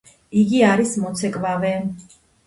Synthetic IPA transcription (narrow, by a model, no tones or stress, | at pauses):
iɡiaɾismɔt̪sʰɛkʼvavɛ